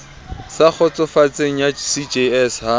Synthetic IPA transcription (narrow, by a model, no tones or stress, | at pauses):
sak͡xʰɔt͡sɔfat͡seŋ̩jasid͡ʒeɛsha